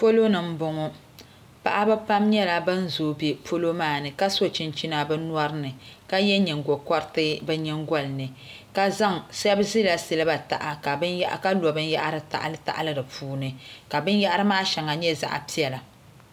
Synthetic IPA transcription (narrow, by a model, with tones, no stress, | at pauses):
fo˦lo˦nɨ˨m̩˦bʊ˨ŋɔ˦ | pa̰˨ʔa˦bɛ˦pa˦mɲɛ˦la˨bɨ˦n̩˦zoː˨˦˨bi˨fo˦lo˦maː˦˨nɨ˨ka˦so˦t͡ʃi˦nt͡ʃi˦na˦bɛ˦n˦ɔ˦ɾɨ˦nɨ˨ka˦jɛ˦ɲɛ˨ŋ˨ɡo˨kɔ˦ɾtɨ˦bɛ˦ɲɛ˦ŋɡɔ˦lnɨ˨ | ka˦za˦˨ŋsɛ˦bzi˦la˨si˦lɨ˦ba˨ta̰˨ʔa˨ka˨bn˦ʔka˦lɔ˨bɨ˦n˦ja˦ʔa˦ɾɨ˦ta̰˨ʔa̰˦˨lɨ˦ta̰˨ʔa̰˦lɨ˦dɨ˨pʰuː˦nɨ˨ka˨bɨ˦n˦ja˦ʔa˦ɾɨ˦maː˦ʃɛ˨ŋa˨ɲɛ˦za̰˨ʔa̰˨pi˦ɛ˨la˨